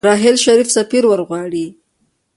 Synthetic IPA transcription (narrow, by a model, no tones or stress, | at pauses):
ɾɑɦɪlʃaɾifsafiɾwəɾɣwɑɽi